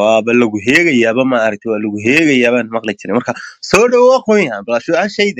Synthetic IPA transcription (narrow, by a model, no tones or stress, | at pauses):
waːbɐlɐɣʊɦɛːɣɐjaːβɐmɐːɾɐk̚t̪ʰɛwaːlɐɣʊɦɛːɣɐjaːβaːnmɑqlɪt͡ʃʰɪɾɛmɐrkʰɐsɔːɖɐwwɑːxɔjabɐlaʃʊaʃɛjd̪